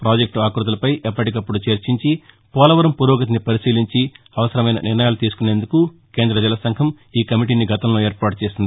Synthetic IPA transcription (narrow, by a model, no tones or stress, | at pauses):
pɾaːd͡ʒek̚ʈuaːkɾut̪ɐlɐpɐjʔɛpːɐʈikɐpːuɽut͡ʃɐɾt͡ʃiɲt͡ʃi | pɔːlɐʋɐɾɐmpuɾoːɡɐt̪̬inipɐɾisiːliɲt͡ʃi | ɐʋɐsɐɾɐmɐjnɐ̰nɪɾnɐjaːlut̪iːsu̥kune̞ːnd̪ukuke̞ːnd̪ɾɐd͡ʒɛlɐsɐŋkʰɐm | iːkɐmiʈ̬iːniɡɐt̪ɐmlo̞ːeːɾpaːʈut͡ʃeːsind̪ii